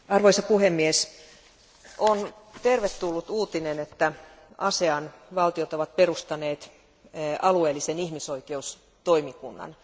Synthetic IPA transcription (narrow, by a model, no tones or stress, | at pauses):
ɑrʋoisɑpuhemːies | ʔont̪erʋet̪ːulːut̪uːt̪inenet̪ːæ | ɑseɑnʋɑlt̪iot̪oʋɑt̪̚perust̪ɑneːt̪ | ɑlueːlːisenihmisoikeus | t̪oimikunːɑ̰n